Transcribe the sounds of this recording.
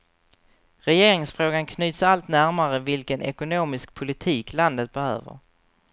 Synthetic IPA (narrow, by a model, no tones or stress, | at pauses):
ɾɛjeːɾɪŋsfɾoːɡankʰnyːt̪salt̪næɾmaɾəvɪlkənʔɛkʊnoːmɪsk̚pʰʊlɪt̪ʰiːkland̪ət̪̚bɛhø̰ːvə̰ɾ